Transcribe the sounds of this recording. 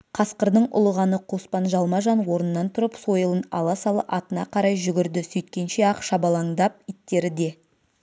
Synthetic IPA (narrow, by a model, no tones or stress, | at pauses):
qʰɑsqəɾd̪əɴʊ̰lˠəʁɑnəqʰo̞spɑnʒɑlˠmɑʒɑnwo̞ɾənənːɑnt̪ʰʊɾəpso̞jəlˠənɑ̰lˠɑsɑlˠə̰ʔɑt̪ənɑ̰qʰɑɾɑjʒʏɡʲɪɾd̪ɪsɵjt̪̚kʲe̞nʃe̞ɑqʃɑbɑlˠɑɴd̪ɑp̚it̪ːe̞ɾɪd̪e̞